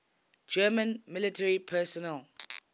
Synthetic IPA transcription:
d͡ʒɛmə̃nmɪlitʰɛɹipʰɛsɔnɛl

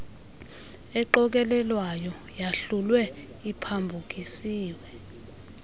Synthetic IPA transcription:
ɛǃɔk̬ɛlɛlwajɔ | jaɬulwɛ | ipʰambʱuk̬isiːwɛ

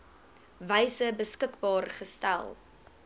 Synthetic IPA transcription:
vəjsəbəskəkbɑːrχəstæ̰lˠ

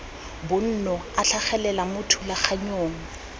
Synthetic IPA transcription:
bʊn̩nɔaɬʰaχɛlɛlamʊtʰulak͡xʰaɲoːŋ̩

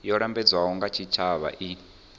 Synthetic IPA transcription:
jɔɺambɛd͡zwaɦɔŋɡat͡ʃʰit͡ʃʰaβa̰ʔi

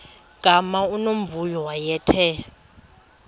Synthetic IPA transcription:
ɡ̥ʱʼamaunom̩vujɔwajɛːtʰɛ

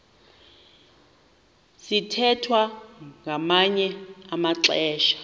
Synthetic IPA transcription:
sitʰɛtʰwaŋɡʱamaɲɛamaǁɛːʃḁ

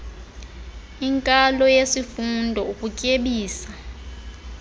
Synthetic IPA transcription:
iŋkʼalɔjesifundʱɔukʼucʼeɓiːsa

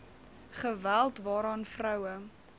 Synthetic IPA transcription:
χəvælˠtvɑːɾɑːnfrœwə

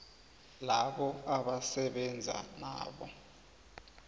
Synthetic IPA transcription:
laɓɔaɓasɛɓɛnd͡zʱa̰na̰ːɓɔ̰

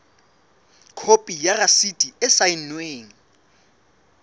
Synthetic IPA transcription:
kʰopʼijarasitʼiɪsain̩nweːŋ̩

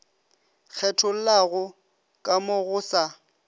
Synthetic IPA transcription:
k͡xʰɛtʰʊl̩laɣʊ | kʼamʊɣʊːsa

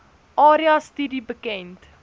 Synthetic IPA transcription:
ʔɑːɾiɑstidibəkɛnt

